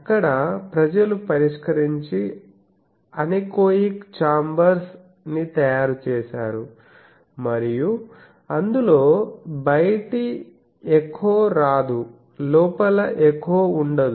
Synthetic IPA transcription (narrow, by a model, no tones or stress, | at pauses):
ɐkːɐɽɐpɾɐd͡ʒɐlupɐɾiʂkɐɾiɲt͡ʃi | ɐnikoːjikt͡ʃaːmbɐɾs | nit̪ɐjaːɾut͡ʃɛːʃa̰ːɾu | mɐɾiju | ɐnd̪uloːbɐjʈi | ekʰːoːɾaːd̪u | lɔːpɐlɐʔekːoːuɳɖɐd̪u